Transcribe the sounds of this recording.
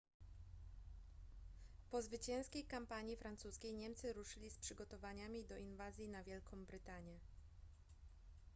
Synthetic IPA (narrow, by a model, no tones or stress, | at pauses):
pɔzvɘt͡ɕɛ̃w̃skʲejkampaɲifɾantsuskʲejɲɛmt̪sɘɾuʂɘlʲispʂɘɡɔt̪ɔvaɲamʲid̪ɔʔinvazʲjinavʲjɛlkʰɔ̃w̃bɾɘt̪aɲjɛ